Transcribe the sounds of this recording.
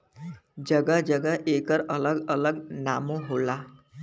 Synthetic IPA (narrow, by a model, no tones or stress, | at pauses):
d͡ʒəɡad͡ʒəɡaʔekəɾələɡələɡnamoɦola